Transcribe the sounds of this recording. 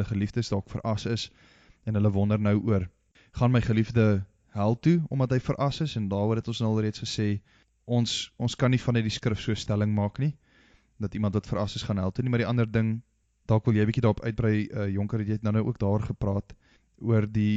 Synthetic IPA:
ləχəlifdəsdɑːkfə̰ɾʔɐsəs | ɛnɦələvɔndərnəwuər | χɑnməjχəlifdə | ɦælˠtuɔmɐtɦəjfəɾʔɐsəsɛndɑːɾuəɦɛtɔnsnəlˠriətsχəseː | ɔnsɔnskɐnːifɐnət̚diskrəfsuəstæləŋmɑːkni | dɐtimɐ̃ntvɐtfəɾɐsəsχɑːnɦælˠtunimɐrɾiʔɐndərdəŋ | d̥ɑːkvəlˠjɛjbikidɑːɾɔpœ̰ɥt̚bɾəjəjɔŋkəɾjəɛtnənəwʔuək̚dɑːrχəprɑːt | uərdi

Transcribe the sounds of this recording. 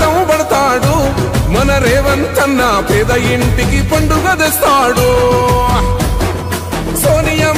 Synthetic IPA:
ɐmbɐɽɐt̪aːɽumɐnɐɾɛːʋɐnt͡ʃ̪ɐnːɐpɛːd̪ɐjiɳʈikipɐɳɖuɡɐd͡ʒ̪est̪aːɽu | soːnijɐ

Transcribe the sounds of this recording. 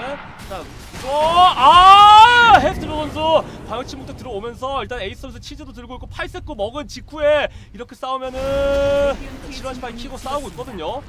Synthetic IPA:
t͡ɕa | ʌa | ɦestʰɯɾʌʌnsʰʌkwajʌŋt͡ɕʰimokt͈ek̚tɯɾʌbomjʌns̬ʰʌiɭt͈ane̞is͈ɯesʰʌt͡ɕʰid͡ʑedotɯɭɡoik͈ʰːopʰaɭs͈ek͈omʌɡɯnt͡ɕikʰueiɾʌkʰe̞s͈aumjʌnɯ | t͡ɕʰiɾoɦaɕʰi̥pʰaikʰiɡos͈auɡoit̚k͈ʌdɯɲo

